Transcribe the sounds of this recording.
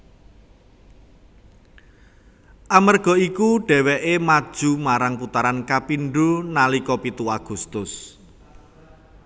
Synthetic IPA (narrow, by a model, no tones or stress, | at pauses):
ʔamərɡ̥ɔ̤ikuɖ̥ɛ̤wɛʔemad̥ʒ̥ṳmaɾaŋput̪aɾankapinɖunalikɔpit̪uaɡ̥ṳst̪ʊs